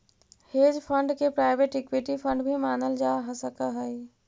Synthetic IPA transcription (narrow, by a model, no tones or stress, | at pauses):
heːd͡ʒpʰə̃ɳɖkepɾaːɪbeʈɪkwiʈipʰə̃ɳɖbʱimaːnəld͡ʒaɦəsəkaɦəi